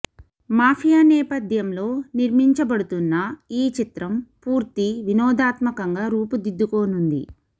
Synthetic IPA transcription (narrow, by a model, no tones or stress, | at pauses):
maːpʰijaːnɛːpɐd̪ʱjɐmlo̞ːniɾmiɲt͡ʃɐbɐɽut̪unːɐiːt͡ʃit̪ɾɐmpuːɾt̪iʋinɔːd̪aːt̪mɐkɐŋɡaːɾuːpud̪id̪ːuko̞ːnund̪ḭ